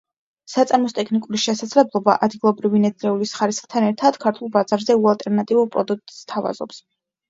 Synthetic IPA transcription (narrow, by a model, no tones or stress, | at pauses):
sat̪sʼaɾmɔst̪ʼɛkʰnikʼuɾiʃɛsad̪zlɛblˠɔba̰ʔad̪ɡilˠɔbɾivinɛɾɛulisχaɾisχt̪ʰanɛɾt̪ʰad̪̥kʰaɾt̪ʰulˠbazaɾzɛualˠt̪ʼɛɾnat̪ʼivuɾpʼɾɔd̪uk̚t̪ʼːt̪ʰava̰z̥ɔ̰ps